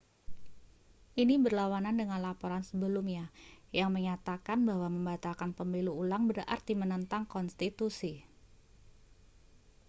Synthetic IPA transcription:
ʔinibərlawanandəŋanlapoɾansəbəlumɲajaŋməɲat̪akanbaɦwaməmbat̪alkanpəmiluːlaŋbərʔa̰rt̪imənənt̪aŋkɔnst̪it̪usi

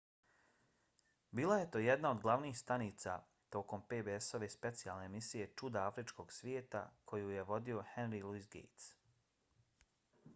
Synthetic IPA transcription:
biːlˠaje̞t̪o̞ːjed̪nao̞d̪ɡlˠaʋniːxst̪aniːt̪sa̰ | t̪o̞ːko̞mpe̞ːbeeso̞ʋe̞spe̞t̪sijalˠne̞ːmisije̞t͡ʃud̪aafɾit͡ʃko̞ɡsʋje̞ːt̪a̰kʰo̞juje̞ʋo̞d̪io̞henɾilˠuisɡḛjt̪s

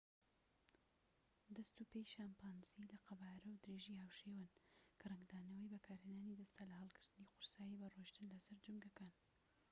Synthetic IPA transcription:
d̪ɐst̪upejʃaːmpaːnzilɐqɐbaːɾɐwd̪ɨɾeʒihaːwʃeːwankʰɨrɐŋɡd̪aːnɐwəjbɐkʰaːɾheːnaːnid̪ɐst̪ʰalɐhɐlˠkʰɨɾd̪̥ɨniqʊɾsaːjibɐroʃt̪ɨnlɐsɐɾd͡ʒuŋɡɐkaːn

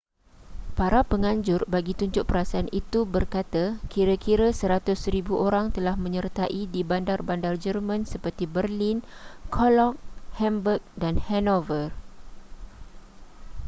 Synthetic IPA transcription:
paɾapəŋãɲd͡ʒʊrbaɡit̪uɲd͡ʒʊʔ̚pəɾasaanit̪ubərkat̪akiɾakiɾasəɾat̪ʊsɾibuʔoɾaŋt̪əlahmə̃ɲərt̪aʔidibandarbandard͡ʒərmãnsəpərt̪ibərlinkʰɔlɔk̚hɛmbək̚danhɛnovər

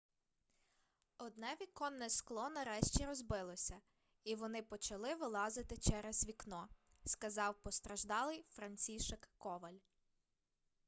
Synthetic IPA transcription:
ɔd̪nɛʋʲikɔnːɛsklˠɔnɐɾɛʃt͡ʃʲiɾɔzbɪlˠɔsʲɐ | iʋɔnɪpɔt͡ʃɐlˠɪʋɪlˠɑzɪt̪ɪt͡ʃɛɾɛz̥ʋʲiknɔ | skɐzɑwpɔst̪ɾɐʒd̪ɑlˠɪjfɾɐnʲt͡sʲiʃɛkːɔʋɐlʲ

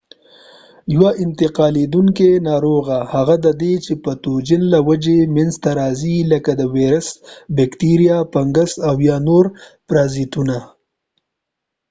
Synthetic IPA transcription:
jwaʔɪnt̪ɪqɑːled̪uŋkenɑːɾoɣahaɣad̪əd̪et͡ʃepət̪od͡ʒɪnlawad͡ʒemenzt̪aɾɑziləkad̪əweɾəsbekt̪iɾijapaŋɡəsawjɑnoɾpɾɑzit̪una

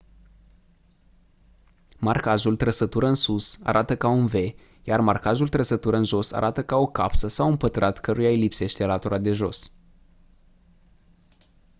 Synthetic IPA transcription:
markaʒult̪ɾəsət̪uɾəɨnsusa̰ɾʔat̪əkaunve̞ | jarmarkaʒult̪ɾəsət̪uɾəɨnʒo̞sa̰ɾʔat̪əkao̞kapsəsawunpət̪ɾat̪kəɾujailipse̞ʃt̪e̞lat̪uɾad̪e̞ʒo̞̰s

